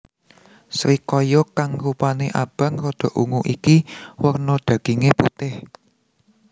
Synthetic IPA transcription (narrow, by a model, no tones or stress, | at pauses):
sɾikɔjɔkaŋɾupaneʔab̥ä̤ŋɾɔd̪̥ɔ̤ʔuŋuʔikiwərnɔd̪̥ä̤ɡ̥iŋeput̪ɪh